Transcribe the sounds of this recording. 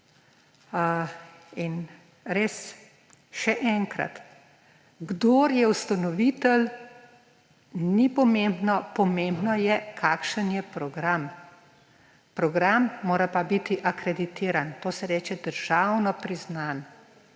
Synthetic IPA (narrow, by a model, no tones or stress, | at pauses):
in | ɾeːs | ʃɛʔɛŋkɾa̰t̪ | ɡd̪oːɾjɛwst̪anɔʋiːt̪əl | nipɔmẽmbnɔpɔmẽmbnɔjɛkʰaːkʃənjɛpɾɔɡɾam | pɾɔɡɾamːoːɾapabit̪iʔakɾɛd̪it̪eːɾant̪oːsɛɾɛːt͡ʃɛd̪əɾʒ̥awnɔpɾiznan